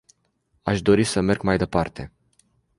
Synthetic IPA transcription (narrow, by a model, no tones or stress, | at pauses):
aʃd̪o̞ɾisəme̞rɡmajd̪e̞part̪e̞̰